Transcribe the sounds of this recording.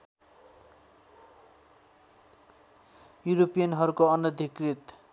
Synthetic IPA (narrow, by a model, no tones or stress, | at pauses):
juɾopijʌnɦʌɾukoʌnʌd̪ʱikrit̪